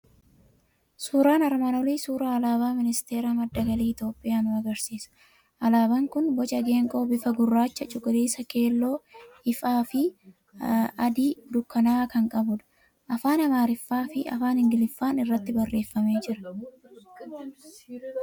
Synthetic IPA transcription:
suːɾaːnɐɾmanɔliːsuːɾaːɐlaːbaːmɪnɪst̪e̞ːɾamɐd̪ːɐɡɐliːɪt̪jo̞ːpʼɪjaːnʊɐɡɐɾsiːsɐ̥ | ʔɐlaːbaŋkʊnbɔt͡ʃʼɐɡe̞ːŋkʼo̞ːbɪfɐɡʊrːaːt͡ʃːɐt͡ʃʼʊkʼɪliːsɐke̞ːlːo̞ːhɪfaːfɪ | ɐd̪iːd̪ʊkːɐnaːkɐŋkʼɐbʊd̪ɐ̥ | ʔɐfaːnɐmaːɾɪfːaːfɪʔɐ̰faːnhɪŋɡɪlɪfːaːnɪrːɐt̪ːɪbɐrːe̞ːfːɐme̞ːd͡ʒɪɾɐ̥

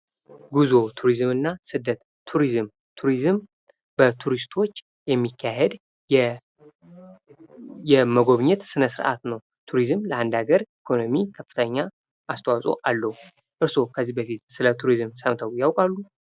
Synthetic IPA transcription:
ɡuzo̞t̪ʰuɾizmɨnːasɨd̪ːət̪ːʰuɾizɨm | t̪ʰuɾizɨm | b̥ət̪ʰuɾist̪ʰo̞t͡ʃː | jɛmːikʰːaɦed̪ | ɛ | jɛməɡo̞βɲɛt̪sɨnəsɨɾʔa̰t̪nəw | t̪ʰuɾizɨmləand̪aɡəɾikʰo̞no̞mikʰəfːɨ̥t̪ʰəɲːa | ʔast̪ʰəwasʼo̞̰ʔalːəhu | ʔɨɾso̞kʰəzːibəfit̪sɨlət̪ʰuɾizɨmsəmt̪ʰəwjawkʼalːu

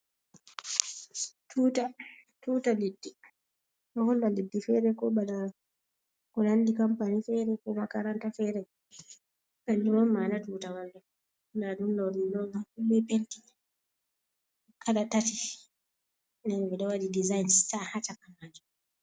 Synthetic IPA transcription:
tʰuːtatuːtaledːi | ɗɔhɔlːaledːifɛːɾɛkɔɓala | kɔlandikampanifɛɾɛkɔmakaɾantafɛɾɛ | kandɔwɔmːanatuːtawalːa | ndaɗumlɔɾilɔmaubɛpenti | kʰaɗatati | nɛnɡɛɗɔwadidizajnssahat͡ʃakamːaːd͡ʒu

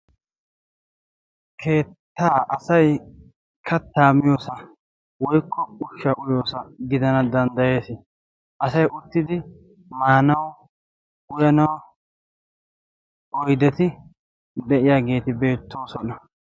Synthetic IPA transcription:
kʰe̞ːt̪ːaːʔɐsɐj | kʰɐt̪ːaːmɪjo̞ːsɐ | wɔjkːɔʊʃːɐʔʊjo̞ːsɐɡɪd̪ɐnɐd̪ɐnd̪ɐje̞ːsɪ | ʔɐsɐjʔʊt̪ːɪd̪ɪ | maːnɐw | ʊjɐnɐw | ɔjd̪ɛt̪ɪ | d̪ɛʔɪjaːɡe̞ːt̪ɪbe̞ːt̪ːo̞ːsɔnɐ

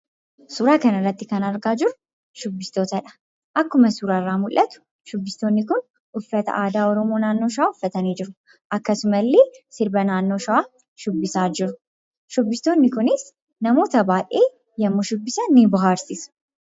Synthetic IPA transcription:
suːɾaːkɐnɐrːɐt̪ːɪkɐnɐɾɡaːd͡ʒɪɾʊ | ʃʊbːɪst̪o̞ːt̪ɐᶑɐ̥ | ʔɐkːʊmɐsuːɾarːaːmʊlʔɐt̪ʊ̥ | ʃʊbːɪst̪o̞ːnːɪkʊn | ʊfːɐt̪ɐ̰ʔaːd̪aːɔɾɔmo̞ːnaːnːo̞ːʃɐaːʊfːɐt̪ɐneːd͡ʒɪɾʊ | ʔɐkːɐsʊmɐlːeːsɪɾbɐnaːnːo̞ːʃɐaː | ʃʊbːɪsaːd͡ʒɪɾʊ̥ | ʃʊbːɪst̪o̞ːnːɪkʊnɪs | nɐmo̞ːt̪ɐbaːʔʼeː | jɐmːoʃʊbːɪsɐnːebɐɦaːɾsɪsʊ̥

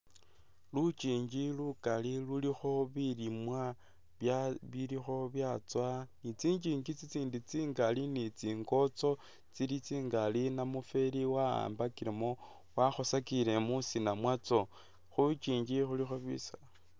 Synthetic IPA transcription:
lut͡ʃiːɲd͡ʒilukalilulixo̞βilimwa | βjaβilixo̞βjat͡swanit͡siːɲd͡ʒiɲɡit͡sit͡siːndit͡siːŋɡalinit͡siːŋɡo̞t͡so̞ | t͡silit͡siːŋɡalinamufe̞liwaa̰ːmbakiɾemo | waxosakile̞musinamwat͡so̞ | xut͡ʃiːɲd͡ʒixulixoβḭsa

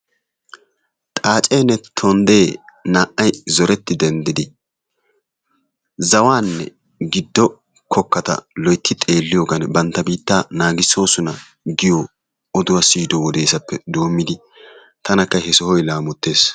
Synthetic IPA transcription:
t̪ʼaːt͡ʃʼeːnɛt̪ʰɔnd̪e̞ːnaːʔːɐjzɔɾɛt̪ːɪd̪ɛnd̪ɪd̪ɪ | zɐwaːnːɛ̰ | ɡɪd̪ːɔ | kʰɔkːɐt̪ɐ̰lɔjt̪ːɪt̪ʼe̞ːlːɪjoːɡɐnbɐnt̪ːɐbiːt̪ːaːnaːɡɪsːo̞ːsʊnɐ | ɡɪjɔ | ɔd̪ʊwɐsiːd̪ɔwɔd̪e̞ːsɐpːɛd̪oːmːɪd̪ɪ | t̪ʰɐnɐkːɐɦɛsɔhɔjlaːmɔt̪ːe̞ːs

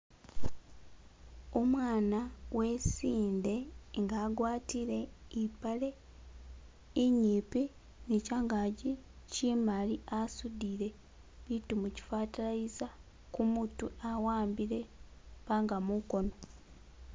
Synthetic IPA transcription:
omwaːnawʔe̞siːnde̞ŋɡaːɡwaːtiɾe̞ipale̞ | iɲiːpi | nicaːŋɡaɟi | cimaliʔasudiɾe̞ | βitumuci̥fatalaiza | kumutuawaːmbiɾe̞βaːŋɡamuko̞no̞

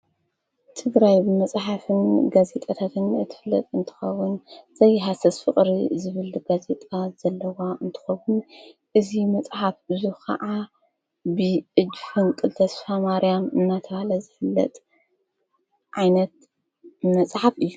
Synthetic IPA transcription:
t̪ʰɨɡɾajbɨmɐsʼħafɨnɡaze̞t̪ʼat̪ʰat̪ʰɨnɨt̪ʰːɨ̥fɨlːɐ̰t̪ʼɨnt̪ʰɨ̥xɐ̰wːʊnz̥ɐjɦasɐsfɨχʼɾḭzɨβɨlɡaze̞t̪ʼaz̥ɐlːɐwaɨnt̪ʰɨ̥xɐwʊnʔɨzimɐt͡sʼħafɨzuhkʰɐ̰ʕa | bɨɨd͡ʒfɨnkʼɨlt̪ʰɐsfamaɾijamɨnːat̪ʰɐβahlɐzɨfɨlːɐ̰t̪ʼ | ʕajnɐt̪̚ | mɐsʼħafɨjːu

